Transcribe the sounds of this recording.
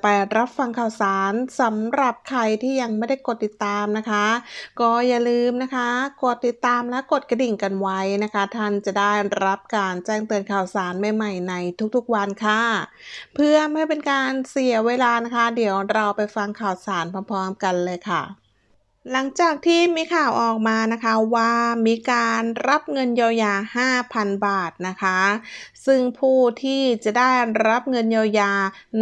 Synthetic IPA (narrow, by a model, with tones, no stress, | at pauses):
pa˧jɾa˦˥p̚fa˧ŋkʰaː˨˩wsaː˩˦nsa˨˩˦mɾa˨˩p̚kʰa˧jt̪ʰiː˥˩ja˧ŋma˥˩jda˥˩jko˨˩t̪ːi˨˩t̪ːaː˧mna˦˥kʰa˦˥kɔː˥˩jaː˨˩lɯː˧mna˦˥kʰa˦˥ko˨˩t̪ːi˨˩t̪ːaː˧mlɛː˦˥wko˨˩t̪̚ka˧di˨˩ŋka˧nwa˦˥jna˦˥kʰa˦˥t̪ʰa˥˩nt͡ɕa˨˩daː˥˩jɾa˦˥p̚kaː˧nt͡ɕɛː˥˩ŋt̪ɯː˧ənkʰaː˨˩wsaː˩˦nma˧jma˨˩jna˧jt̪ʰu˦˥k̚t̪ʰu˦˥k̚wa˧nkʰa˥˩ | pʰɯ˥˩əɐma˥˩jpe˧nkaː˧nsi˩˦ɐweː˧laː˧na˦˥kʰa˦˥di˩˦əwɾa˧wpa˧jfa˧ŋkʰaː˨˩wsaː˨˩˦npʰɔː˧npʰɔː˧mka˧nlɤː˧jkʰa˥˩ | la˩˦ŋt͡ɕaː˨˩k̚t̪ʰiː˥˩miː˧kʰaː˨˩wʔɔː˨˩k̚maː˧na˦˥kʰa˦˥waː˧˩miː˧kaː˧nɾa˦˥p̚ŋɤ˧njaː˧wjaː˧haː˥˩pʰa˧nbaː˨˩t̪̚na˦˥kʰa˦˥sɯ˥˩ŋpʰuː˥˩t̪ʰiː˥˩t͡ɕa˨˩ʔdaː˥˩jɾa˦˥p̚ŋɤ˧njaː˧wjaː˧